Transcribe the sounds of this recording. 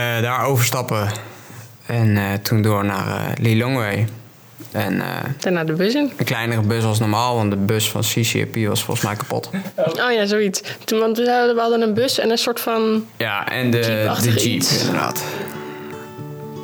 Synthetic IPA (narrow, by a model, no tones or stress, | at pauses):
ədaːɹowvəɹstɑpə | ɛnətʰundoːɹna̰ːrə̰liloŋʋej | ʔɛnə̰d̥anaːdəbøsɪnənklɛjnərəbøsɑs̬nɔɹmaːlˠʋɑntdəbøsfɑ̰nsisḭɛ̰piʋɑ̰sfɔ̰lˠχəsmɛjkḁpo̰toːjaːzowitstuʋɑntʋəɦɑdənənbøsɛnənsʊːɹtfɑnjaʔɛ̰ndədəd͡ʒipɪ̰ndəda̰ːt